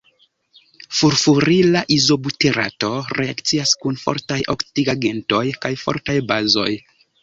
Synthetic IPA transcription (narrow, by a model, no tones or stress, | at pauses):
fuɾfuɾilaʔizo̞buteɾa̰to̞ɾe̞akt͡siaskunfo̞̰ɾtajʔo̰ktiɡaɡe̞nto̞jkajfo̞̰ɾtajbazo̞̰j